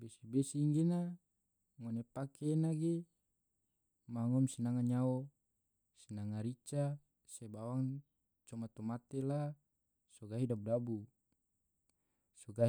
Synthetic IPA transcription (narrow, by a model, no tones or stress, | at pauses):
besibesiːŋɡena | ŋɔnepakenaɡe | maŋɔmsinaŋaɲao | sinaŋaɾit͡ʃa | sebawaŋ | t͡ʃɔmat̪omat̪ela | soɡaɦidabudabu | soɡa